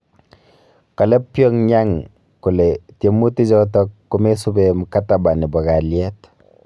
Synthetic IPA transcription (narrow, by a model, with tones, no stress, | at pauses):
ka˨le˦pːjo˦ŋɲa˦ŋ | ku˨le˨tje˨mu˦ti˦d͡ʒɔ˦tɔ˦kːu˦me˦su˦be˨m˨ka˦ta˨ba˨ni˨bɔ˨ɡa˨ljɛ˦t